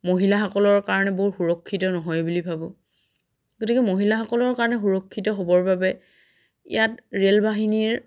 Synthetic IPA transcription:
moɦilaxɔkɔlɔɹkaɹɔnɛboxuɹɔkʰːitɔnɔɦɔjbulibʱabɔ | ɡotikɛmoɦilaxɔkɔlɔɹkaɹɔnɛxuɹɔkʰːitɔɦobɔɹbabɛ | ḭjatɹelbaɦiniɹ

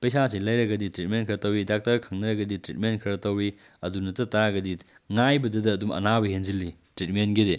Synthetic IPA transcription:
pɐjsasilɐjɾɐɡɐditɾit̚menkʰɐɾɐtɐwidak̚tɐɾkʰɐŋnɐɾɐɡɐditɾit̚menkʰɐɾɐtɐwi | ɐdunɐtɐtaɡɐdi | ŋajbɐdɐdɐːdumɐ̰nabɐɦenzilːitɾit̚menɡide

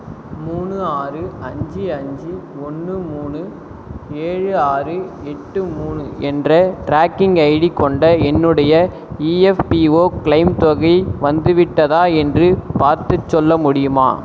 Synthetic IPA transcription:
muːɳɯaːrɯɐɲd͡ʒiɐɲd͡ʒiɔnːɯmuːɳɯ | eːɻɯaːrɯɛʈːɯmuːɳɯɛndrɐʈɾaːkːɪŋɡɐɪɽikːɔɳɖɐɛnːɯɽɐjɐ | iːɛfpioːkɪɭɐɪmt̪ɔɣɐɪʋɐnd̪ɯʋɪʈːɐðaːɛndrɯpaːɾt̪ɯt͡ʃːɔlːɐmʊɽɪjɯma̰ː

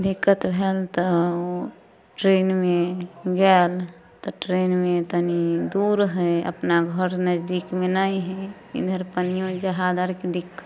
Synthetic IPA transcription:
d̪ikːət̪bʱelt̪ɔo | ʈɾenmeɡal | t̪ɔʈɾenmẽt̪ənid̪uɾɦɛə̰pnaɡʱəɾnəd͡ʒd̪ikmenaiɦɛ | ḭd̪ʱəɾpənijõd͡ʒəɦad̪aɾked̪ikːə

